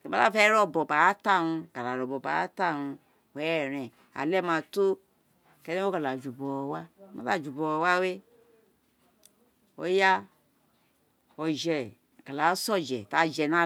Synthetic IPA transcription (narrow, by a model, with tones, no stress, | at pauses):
ke˨ma˦a˦fɛ˦ɾɔ˦˨bɔ˨ba˨a˦ta˦˨nũ˧ka˨la˨ɾɔ˨bɔ˨ba̰˨a̰˦ta˦˨nũ˧ | wɾ̃ɛ̃˨ | a̰˨lɛ˦˨mã˧to˦ | kɛ˦nɛ̃˦o˦ka˨la˨d͡ʒu˨bɔ˨ɔ˨wa˦mã̰˦la˦˨d͡ʒu˨bɔ˨ɔ˨wa˦we˦ | o̰˦ja˦ | ɔ˨d͡ʒɛ˨ | ka˨la˨˦sɔ˦˨d͡ʒɛ˨ta˨˦d͡ʒɛ˨nã˦